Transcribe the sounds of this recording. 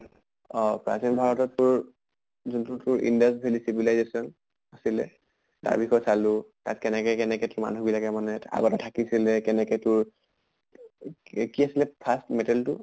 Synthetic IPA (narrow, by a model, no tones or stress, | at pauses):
ɔpɹa̰zɛnbʱaɹɔtɔtːʊɹ | zuntʊtʊɹḭndastbʱelisibilajzesɔn | asilɛ̰ | ta̰ɹbixɔjɔsalʊta̰tkɛnɛkɛkɛnɛkɛtʊɹma̰nubilakɛmanɛa̰ɡɔtɛtʰakisilɛkɛnɛkɛtʊɹ | kiasilɛpʰastmɛtaltʊ̰